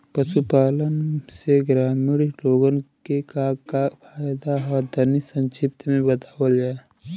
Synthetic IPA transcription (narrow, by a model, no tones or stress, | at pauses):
pəʃupaːlənseɡɾaːmiːɾloːɡənkekakapʰaːjd̪aɔːɾd̪ənisə̃nt͡ʃɪp̚t̪ʰmẽbət̪aːwəld͡ʒaːe